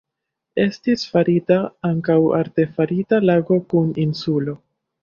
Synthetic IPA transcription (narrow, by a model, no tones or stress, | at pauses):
e̞stisfaɾitaaŋkawa̰ɾte̞faɾitalaɡo̞kuninsulo̞